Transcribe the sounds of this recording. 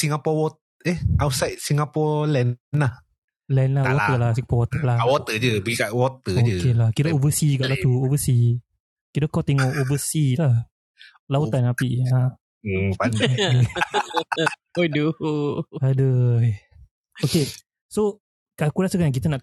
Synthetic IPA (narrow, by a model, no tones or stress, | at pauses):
siŋapɔwɔt̪̚ | eʔawsajt̪̚siŋapɔlɛnnlah | lɛnlawɔt̪əlasiŋapɔwɔt̪əlaawɔt̪əd͡ʒɨbəɡikaʔwɔt̪əod͡ʒəkelakit̪əovəsiukaʔlat̪uovəsi | kit̪əkat̪ɛŋɔʔovəsilah | laut̪anapiʔa | pan | odo | adə | oke | so | kakulaʔsəkajãŋkit̪ənãʔ